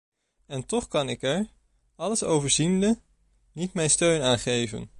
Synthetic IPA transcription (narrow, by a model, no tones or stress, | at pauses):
ɛntɔχkɑnɪkɛɹ | ɑləsowvəɹzində | nitmɛjnstøɥnaːnχejvə̰n